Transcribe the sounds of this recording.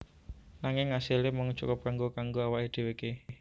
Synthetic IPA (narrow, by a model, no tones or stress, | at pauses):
naŋɪŋːasilɪmɔŋt͡ʃṵkʊp̚kaŋɡokaŋɡoawaʔed̪̥e̤weke